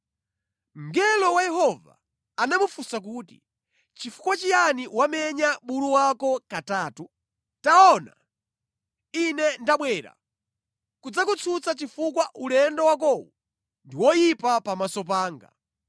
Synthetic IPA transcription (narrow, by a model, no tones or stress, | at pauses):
m̩ɡɛlɔwajɛɦɔva̰ː | namufusak̬uːti | t͡ʃifu̥kwat͡ʃijaniwamɛɲaɓuɾuwakɔkataːtu | taɔna̰ | inɛndaɓwɛːɾa̰ | kud͡zakut͡sʰut͡sat͡ʃifukwaʔulɛndɔwak̬ɔwu | ndiwɔjipapamasɔpaːŋɡa̰